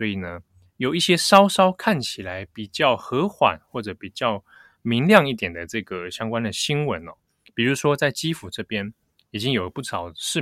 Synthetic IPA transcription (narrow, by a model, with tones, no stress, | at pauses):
wɔ˧˥i˨˩nə˦ | jo˨˩ʊi˥˩ɕjɛ˥ʂɑ˥ʊʂɑ˥ʊkʰa˥˩nt͡ɕʰi˨˩la˧˦ɪpi˨˩t͡ɕjɑ˥˩ʊxɤ˧˥xwa̰˨˩˦nxwɔ˥˩ʈ͡ʂɤ˧˦pi˨˩t͡ɕjɑ˥˩ʊ | mi˧˦˥ŋljɑ˥˧ŋi˥˩t̪jɛ˨˩nd̪ə˩ʈ͡ʂɤ˥˩ɡə˩ɕjɑ˥ŋkwa˥nd̪ə˨ɕi˥ŋwə˧˦nɔ˧ | pi˨˩ɻu˧˥ʂwɔ˥t͡sa˥˩ɪt͡ɕi˥fu˨˩ʈ͡ʂɤ˥˩pjɛ˥n | i˨˩t͡ɕi˦ŋjo˨˩˧pu˥˩ʂʰɑ˨˩ʊʂɻ̩˥˨